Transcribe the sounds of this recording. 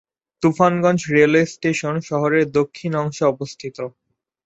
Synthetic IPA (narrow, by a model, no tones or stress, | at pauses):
t̪ufanɡɔnd͡ʑɾelesʈeʃonʃɔɦoɾeɾd̪okʰːinɔŋʃoɔbost̪ʰit̪o